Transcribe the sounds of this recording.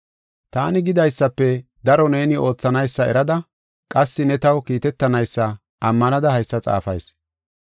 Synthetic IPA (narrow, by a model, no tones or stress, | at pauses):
t̪aːnɪɡɪd̪ɐjsːɐpːɛ | d̪ɐɾɔne̞ːnɪo̞ːt͡sːɐnɐjsːɐɛ̰ɾɐd̪ɐ | kʼɐsːɪnɛt̪ɐwkiːt̪ɛt̪ːɐnɐjsːɐ | ʔɐmːɐnɐd̪ɐhɐjsːɐt͡sʼa̰ːfɐ̰js